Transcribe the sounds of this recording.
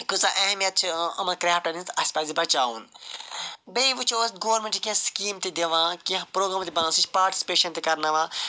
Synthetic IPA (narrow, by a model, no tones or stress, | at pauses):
kusaʔeːmjɐt̪̚t͡ʃʰɐmɐnkɾaːfʈɐnint̪ɐsʲpaːzipɐt͡ʃaːuːn | bejʋut͡ʃʰoːsɡoːɐɾmẽɳʈikʲẽskiːmt̪id̪eʋãːkipɾoːɡɾaːmt̪ibɐnãːsit͡ʃʰpaːɾʈi̥si̥peːʃɐnt̪ikɐɾnɐʋãː